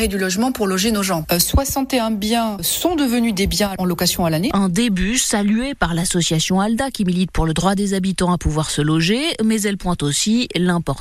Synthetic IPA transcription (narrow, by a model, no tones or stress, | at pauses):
ʁed̪ylɔʒmɑ̃puʁlɔʒenoʒɑ̃swasɑ̃t̪eɛ̃bjɛ̃sɔ̃d̪əvənyd̪ebjɛ̃ɑ̃lɔkasjɔ̃alaneɛ̃d̪ebysalyepaʁlasɔsjasjɔ̃ald̪akʲimilit̪̚puʁləd̪ʁwad̪ezabit̪ɑ̃apuvwaʁsəlɔʒemɛzɛlpwɛ̃t̪osilɛ̃pɔʁt̪